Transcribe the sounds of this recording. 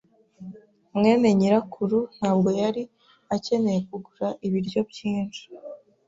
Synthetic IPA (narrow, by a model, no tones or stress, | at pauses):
mŋe̞ːne̞ɲiɾakʰuɾun̥haːb̚ɡo̞jaɾi | ace̞ne̞je̞kuɡuɾaʔiβiɾɟo̞bjiːnt͡ʃi̥